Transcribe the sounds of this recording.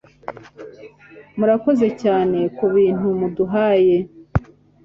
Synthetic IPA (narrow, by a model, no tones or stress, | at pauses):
muɾako̞ze̞caːne̞kuβiːn̥umuduɦaːje̞